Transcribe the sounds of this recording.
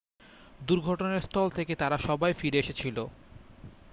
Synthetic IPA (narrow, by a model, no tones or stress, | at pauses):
d̪uɾɡʱɔʈoneɾst̪ʰɔlt̪ʰeket̪aɾaʃɔbajfiɾeeʃet͡ɕʰilo